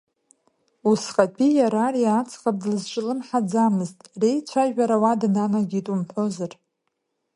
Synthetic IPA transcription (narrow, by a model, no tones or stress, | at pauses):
usqʼapʰʼijaɾariat͡sʰqʼap̚ʼdlɨzʈ͡ʂʷʼɪlɨnħad͡zamɨztʼrejt͡sʷʰaʒᶣaɾawadnanaɡʲitʼumħʷo̞zɨr